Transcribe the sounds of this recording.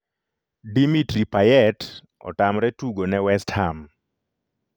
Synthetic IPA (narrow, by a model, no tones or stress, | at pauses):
dimitripajɛt | ɔ̰tamɾɛtuɡonɛwɛstham